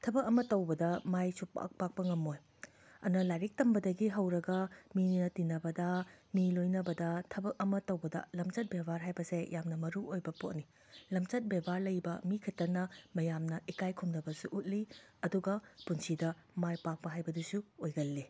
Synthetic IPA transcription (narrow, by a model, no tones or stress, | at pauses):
tʰɐbɐk̚ɐmɐtɐwbɐdɐmajsupa̰k̚pak̚pɐŋɐmoj | ɐ̰nɐlajɾik̚tɐmbɐdɐɡiɦɐwɾɐɡɐmiinɐtinɐbɐdɐmilojnɐbɐdɐtʰɐbɐk̚ɐmɐtɐwbɐdɐ̰lɐmt͡ʃɐt̚bebʱaɾɦajbɐsejʔamnɐmɐɾuʔojbɐpo̰t̚ni | lɐmt͡ʃɐt̚bebʱaɾlɐjbɐmikʰɐtɐnːɐmɐjamnɐʔikajkʰumnɐbɐsuʔut̚liɐduɡɐpunsidɐmajpak̚pɐɦajbɐdusuojɡɐlːi